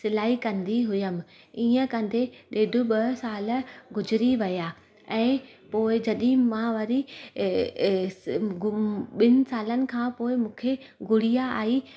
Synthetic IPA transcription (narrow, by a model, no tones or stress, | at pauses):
sɪlaːikɐ̃nd̪iɦʊjəmɪ̆ | iːə̃kɐ̃nd̪ʱeɗeːd̪ʊɓɐsaːlɡʊd͡ʑɪɾiʋɐjaː | ɛ̃ːpoːɪd͡ʑɐɗɪɪ̃mãʋɐɾi | ɓɪnɪ̆saːlənɪ̆kʰãːpoːɪmũːkʰe | ɡʊɽ̤ijaa̰ːi